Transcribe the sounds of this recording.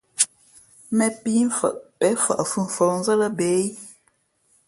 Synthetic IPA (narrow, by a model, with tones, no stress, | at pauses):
mɛ˨pi˦m̩˦fə̰˨ʔpɛ˨˦fə̰˨ʔə˨fu˦˨m̩˨fɔ˨˦n˦zə˦lə˦be˨˦j